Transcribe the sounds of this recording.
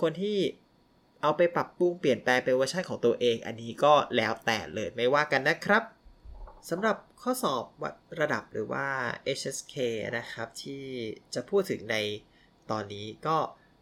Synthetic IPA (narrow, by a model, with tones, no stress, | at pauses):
kʰo˧nt̪ʰiː˥˩ | ʔa˧wpa˧jpɾa˨˩pːu˧˩ŋpli˨˩ənplɛː˧ŋpe˧nwaː˧˥t͡ɕʰa˥˩nkʰɔː˩˦ŋt̪u˧ɐʔeː˧ŋʔa̰˧nːiː˦˥kɔː˥˩lɛː˦˥wt̪ɛ̰ː˨˩lɤː˧jma˥˩jwaː˥˩ka˧nːa˦˥kʰɾa˦˥p̚ | sa˩˦mɾa˨˩p̚kʰɔː˥˩sɔː˨˩p̚wa̰˦˥t̪̚ɾa˧da̰˨˩p̚ɾɯ̰ː˩˦wa̰ː˥˩ʔe˦˥t͡ɕʰʔe˦˥skʰḛː˧na˦˥kʰɾa˦˥p̚t̪ʰiː˥˩t͡ɕa˨˩pʰuː˥˩t̪ʰːɯ˩˦ŋna˧j | t̪ɔː˧nːiː˦˥kɔː˥˩